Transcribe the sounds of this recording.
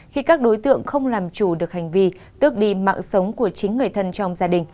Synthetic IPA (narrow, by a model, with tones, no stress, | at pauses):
xi˧kaː˦˥k̚ɗo˨˦jt̪ɨ̰˧˨əŋxə˧wŋ͡mlaː˨˩mt͡ɕu˧˩ɗɨ˨˩ək̚ha˨˩jŋ̟vi˧ | t̪ɨ˦˥ək̚ɗi˧ma̰ː˧˨ŋsə˨˦wŋ͡mku˧˩ət͡ɕï˨˦ŋ̟ŋɨ˨˩əjt̪ʰə˧nt͡ɕɔ˧wŋ͡mzaː˧ɗï˨˩ŋ̟